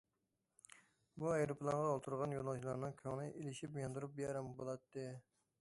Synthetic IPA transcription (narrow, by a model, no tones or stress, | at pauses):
buɑjɾupʰlˠɑɴʁɑːlˠt̪ʰuɾʁɑnjonɑlˠʃilˠɑɾnɨŋkʲʰøŋnɨʔelɪʃipjɑnd̪uɾup̚bjɛɾɛmbolˠɑt̪ːɨ